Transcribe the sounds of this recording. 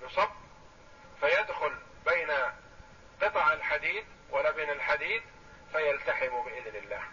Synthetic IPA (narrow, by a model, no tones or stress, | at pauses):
jʊsˤɑbː | fajad̪xʊl | beːna | qɨt̪ˤʕalħad̪iːd̪ | walːabeːnalħad̪iːd̪ | fajalt̪aħɪmbɪʔɪðnɪlːa̰ːh